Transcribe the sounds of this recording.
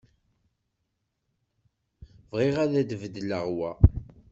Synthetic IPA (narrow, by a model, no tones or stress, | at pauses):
vʁiʁæðæd̪vəd̪ləʁwæ